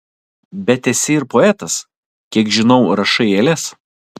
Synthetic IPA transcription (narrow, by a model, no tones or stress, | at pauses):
bʲɛt̪ʲɛsʲɪɪɾpoɛt̪ɐs | kʲiɛkʒʲɪnɔʊɾɐʃɐɪeːlʲɛs